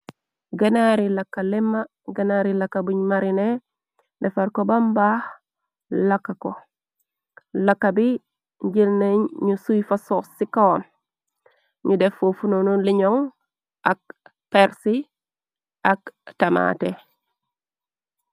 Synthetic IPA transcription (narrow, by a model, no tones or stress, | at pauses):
ɡanaɾilakːalimːa | ɡanaɾilakːabuɲmaɾine | defaɾkobambah | lakːako | lakːabi | ɲɟilneɲɲusujfasosikon | ɲudefofunonuliɲoŋ | ak̚ | peɾsi | aktama̰te